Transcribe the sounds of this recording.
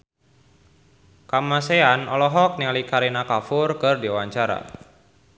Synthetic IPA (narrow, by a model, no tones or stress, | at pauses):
kamaseanɔlɔɦɔk̚nialikaɾinakafʊrkɨrdiwaɲt͡ʃaɾa̰